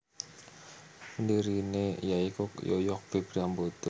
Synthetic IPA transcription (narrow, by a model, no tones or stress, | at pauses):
məndiɾinejaikojo̰jɔk̚b̥e̤b̥ɾambot̪o